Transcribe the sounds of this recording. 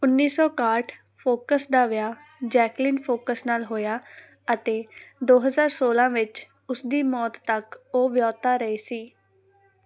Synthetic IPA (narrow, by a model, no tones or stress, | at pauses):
ʊnːiːsɔːkaːʈʰ | pʰoːkəsd̪aːʋɪaː | d͡ʒɛːklɪnpʰoːkəsnaːlɦoːjaː | ət̪eːd̪oːɦəzaːɾsoːlãːʋɪt͡ʃ | ʊsd̪iːmɔːt̪t̪ːəkoːʋjɔːt̪aːɾəiːsiː